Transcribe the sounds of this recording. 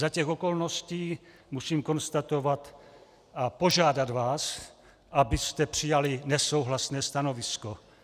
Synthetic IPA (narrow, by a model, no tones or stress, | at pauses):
zacɛxo̞ko̞lno̞sciː | musiːmko̞nst̪at̪o̞vat̪ | ʔapo̞ʒaːdad̪vaːs | ʔabɪst̪ɛpr̝̥ɪjalɪnɛso̞wɦlasnɛːst̪ano̞vɪsko